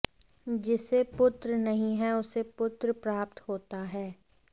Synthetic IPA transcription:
d͡ʒɪsepʊt̪ɾənɐɦĩɦɛʊsepʊt̪ɾəpɾaːp̚t̪ɦoːt̪aɦɛː

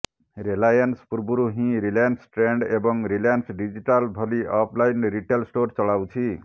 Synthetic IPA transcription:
ɾelajanspuɾbuɾuɦĩɾiljansʈɾeɳɖebɔŋɾiljansɖid͡ziʈalbʱɔliʔɔpʰlajnɾiʈelsʈoɾt͡sɔɭawt͡ʃʰi

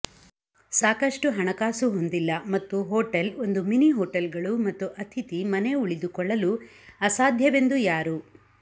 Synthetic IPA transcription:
saːkɐʂʈuɦɐɳɐkaːsuɦond̪ilːɐmɐt̪ːuɦoːʈɐlo̞nd̪uminiɦoːʈɐlɡɐɭumɐt̪ːuʔɐt̪ʰit̪imɐne̞uɭid̪ukɔɭːɐlu | ɐsaːd̪ʱjɐʋe̞nd̪ujaːɾu

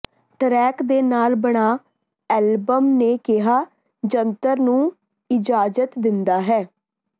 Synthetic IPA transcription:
ʈɾɛːkd̪eːnaːlbəɽ̃aː | ɛːlbəmneːkɪɦaː | d͡ʒənt̪əɾnũː | ɪd͡ʒaːd͡ʒət̪d̪ɪnd̪aːɦɛː

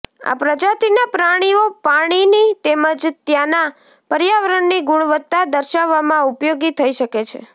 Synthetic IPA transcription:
a̰pɾəd͡ʒat̪inapɾaɽ̃iopaɽ̃init̪eməd͡ʒt̪jana | pəɾjaʋəɾəɳːiɡuɳ̃ʋət̪ːad̪əɾʃaʋːamãupjoɡit̪ʰəiʃəket͡ʃʰḛ

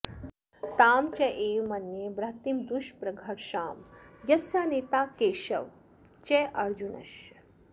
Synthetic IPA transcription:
t̪aːmt͡ʃɐʔeːmɐnjebɾɐt̪imd̪uʃpɾɐɡʱɐʈʃaːmjɐsjaːneːt̪aːkeːʃɐ̰ʋ | t͡ʃɛʔɐɾd͡ʒunɐ̰ʃ

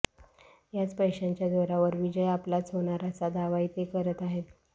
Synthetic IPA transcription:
jat͡spəjɕaɲt͡ɕjad̪oɾaʋəɾʋid͡ʑəjaplat͡sɦoɳ̃aɾat͡sad̪aʋait̪ekəɾət̪aɦet̪

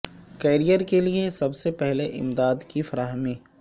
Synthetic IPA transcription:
keːɾijəɾkeliesɐbsepɛɦleʔɪ̰md̪aːd̪kifɐɾaːɦəmiː

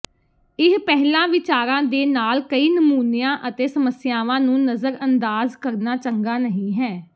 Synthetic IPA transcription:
ɪɦpɛɦlãːʋɪt͡ʃaːɾãːd̪eːnaːlkəiːnəmuːnɪjãːʔət̪eːsəməsɪjaːʋãːnũːnəzəɾənd̪aːzkəɾnaːt͡ʃəŋɡaːnəɦĩːɦɛː

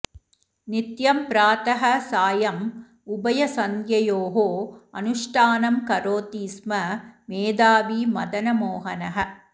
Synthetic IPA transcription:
nit̪jɐmpɾaːt̪ɐɦɐ̆saːjɐm | ubɐjɐsɐŋjɐjoːɦoːɐ̰nuʂʈʰaːnɐmkɐɾoːt̪iːsmɐmeːd̪aːʋimɐd̪ɐnɐmoːɦɐnɐɦɐ̆

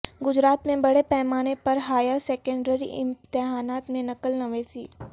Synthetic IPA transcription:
ɡʊd͡ʒɾaːt̪mẽbɐɽepɛɦmaːnepɐɾɦaːjəɾsɛːkə̃ɳɖəɾḭʔɪ̰̃nt̪ɪɦaːnaːt̪mẽnɐkəlnɐʋeːsiː

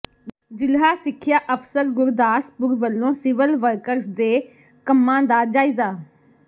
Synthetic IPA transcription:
d͡ʒɪlɦaːsɪkʰːɪjaːʔəfsəɾɡʊɾd̪aːspʊɾʋəlːõːsɪʋəlʋəɾkəɾsd̪eː | kəmːãːd̪aːd͡ʒaːiːzaː

